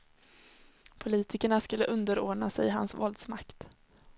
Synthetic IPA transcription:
pʰʊliːt̪ʰɪkəɳaskɵlːəʔɵnd̪əɾoːɳasɛjɦa̰nsvɔld̪smakt̪

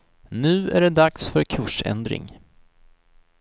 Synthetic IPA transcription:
nʉ̟ːæɖɛd̪aksfœɾkʰɵʂɛ̰nd̪ɾɪ̰ŋ

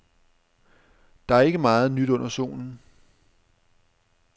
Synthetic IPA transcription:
d̥ɑ̈æɐe̝ɡ̥əmɑ̈ːð̞̩ˠnyd̥ɔ̽n̰ɐso̝̰ːnn̩

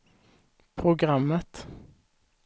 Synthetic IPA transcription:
pʰɾʊɡɾamːət̪

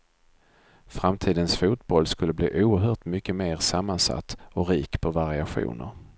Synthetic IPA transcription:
fɾamt̪ʰiːd̪ənsfuːt̪̚bɔlːskɵlːəblḭːʔuːəɾɦœːʈmʏkːəmeːɾsamːansa̰t̪ːɔɾiːkpʰɔvaɾɪaɧṵːnə̰ɾ

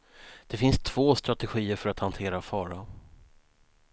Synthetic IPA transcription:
d̪̥ɛfɪnst̪ʰv̥oːst̪ɾat̪ɛɧiːəɾfœɾat̪hant̪ʰeːɾafɑːɾa

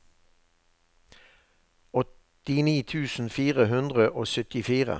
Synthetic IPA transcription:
ɔt̪ | ɪniːt̪ʰʉːsn̩fiːʁəɦʉnd̪ʁəʔoːsœt̪ɪfiːʁə̰

